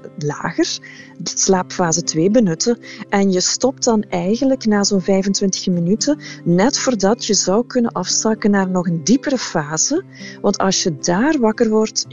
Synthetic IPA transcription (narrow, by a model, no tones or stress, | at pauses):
la̰ːɣərslaːpfaːzətʋeːbənɵtəɛnjəstɔp̚tdɑnɛjɣənləknaːzoːnvɛjvəntʋɪntə̥ɣminytənɛtfoːrdɑtjəzɑwkɵnənʔɑfsɑkənaːrnɔxəndipərəfaːz̥ə | ʋɑntɑ̰lˠsjədaːrʋɑkərʋɔrt